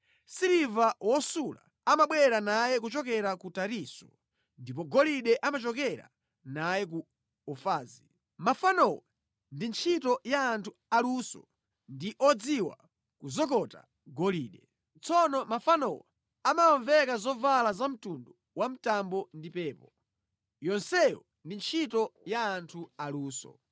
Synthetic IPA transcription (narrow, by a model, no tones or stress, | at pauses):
siɾivawɔsula̰ | amaɓwɛɾanajɛk̬ut͡ʃɔkɛɾakutaɾisɔ̥ | ndip̬ɔɡɔliɗɛʔamat͡ʃɔk̬ɛɾa̰ | najɛk̬u | ɔfaːzi | mafanɔwɛ | ndint͡ʃʰitɔjaːntʰu | alusɔ̰ | ndiʔɔd͡ziwa̰ | kuzɔk̬ɔta̰ | ɡɔliːɗɛ | t͡sɔnɔmafanɔwɛ̰ | amaɔɱvɛkazɔvalazam̩tundu | wam̩tambɔndipɛːpɔ | jɔnsɛjɔ̰ | ndint͡ʃʰitɔjaːntʰualuːsɔ̰